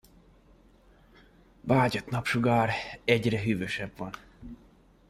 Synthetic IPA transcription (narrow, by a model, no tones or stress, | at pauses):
baːɟot̪nɒpʃuɡaːɾɛɟrɛɦyːvøʃɛbvɒn